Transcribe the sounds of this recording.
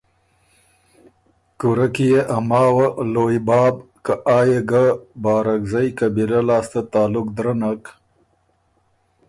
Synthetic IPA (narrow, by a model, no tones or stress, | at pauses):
kuɾakijeʔamɑːwaloːjbɑːbkaʔɑːjeɡabɑːɾakzajkabilalɑːst̪at̪ɑːlʊkd̪ɾanak